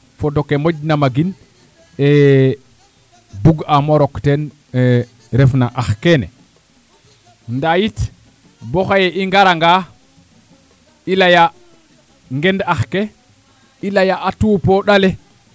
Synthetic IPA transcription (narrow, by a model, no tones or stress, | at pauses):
fodokemoɟnamaɡin | e | buɡamoɾokten | ɾefnaʔaxkenḛ | ndajit | boxajeʔiŋɡaɾaŋɡa | ilaja | ŋɡendaxke | ilajaʔːtupoɗale